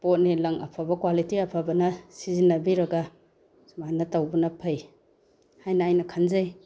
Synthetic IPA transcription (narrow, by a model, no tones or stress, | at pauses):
pot̚nilɐŋʔɐ̰pʰabɐkwalitiɐpʰabɐnɐsizinːɐbiɾɐɡa | sumanɐtawbunɐpʰɐj | hajnɐːjnɐkʰanzaj